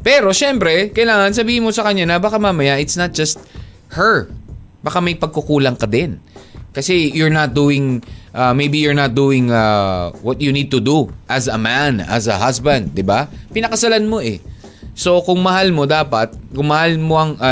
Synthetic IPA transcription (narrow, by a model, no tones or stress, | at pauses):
pɛːɾo̞ʃɛmpɾɛkɐʔɪlaːŋɐns̬ɐbiːhɪnmo̞sɐkɐɲːanɐbaːkamaːmɐjaʔɪt̪snɐt̪̚d͡ʒɐst̪̚ | hɛɹbaːkamɐjpɐɡ̚kʊkuːlɐŋkɐd̪ɛnkɐsɛjʊɹnɐt̪̚d̪uːɪŋʔamejbijʊɹnat̪̚d̪uːɪŋawɐt̪̚junid̪̚t̪ʊd̪uʔɐzɐmanɐ̰zɐ̰hasbɐ̃nd̪̚ːɪbapɪnɐkɐsɐlanmo̞ʔɛ̰ | so̞kʊŋmɐhalmo̞d̪aːpɐt̪̚kʊŋmɐhalmoʔɐŋʔa